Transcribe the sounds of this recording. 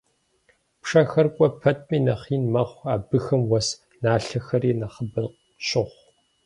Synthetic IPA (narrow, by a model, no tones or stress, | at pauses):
pʂɐxɐrkʷʼɔpʰɐtʼmiːnɐχiːnmɐχʷaːbɨxɐmwɐs | naːɬɐxɐɾiːnɐχəbɨq | ɕɪʁʷ